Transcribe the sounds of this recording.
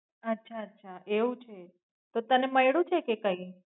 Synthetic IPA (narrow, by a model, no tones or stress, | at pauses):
ətːʃʰaətːʃʰaʔeʋũt͡ʃʰe | t̪ot̪əneməjɽũt͡ʃʰekekəi